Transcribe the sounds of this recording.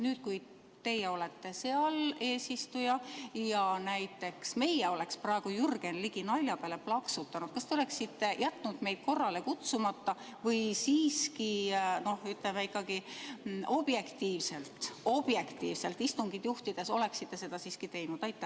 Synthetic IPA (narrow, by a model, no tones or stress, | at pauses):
nyːd̪̥̚kuj | t̪e̞jeo̞le̞t̪ːe̞se̞ɑle̞ːsist̪ujɑjɑnæjt̪ːˑe̞ksme̞jɛo̞le̞ksprɑeɡ̥ujurɡ̥e̞nliɡ̥inɑlʲjɑpeːle̞plɑksut̪ːˑɑnud̥̪̚kɑst̪e̞ole̞ksit̪ːe̞jʔæt̪ˑːnud̪̥me̞jd̪̥̚ko̞rːɑle̞kut̪sumɑt̪ːɑ | vɤjsiːskino̞hyt̪lemeikːˑɑɡi | o̞b̥je̞kt̪iːvse̞lt̪ˑo̞b̥je̞kt̪ḭːvse̞lt̪ist̪uŋɡ̥id̪̥juht̪id̪̥e̞so̞le̞ksit̪ːe̞se̞d̪̥ɑsiːskit̪e̞jnud̪̥ɑjt̪ːˑe